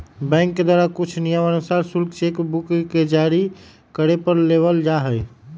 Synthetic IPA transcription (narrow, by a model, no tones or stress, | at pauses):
bɛ̃ɪ̃ŋkːed̪waɾakut͡ʃʰnijəmənusaɾsulkt͡ʃekbukked͡ʒaɾi | kəɾepəɾlebəld͡ʒaɦəj